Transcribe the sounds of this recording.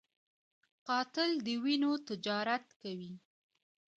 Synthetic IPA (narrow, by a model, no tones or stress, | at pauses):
qɑt̪ɪld̪əwinot̪ɪd͡ʒɑɾat̪kawi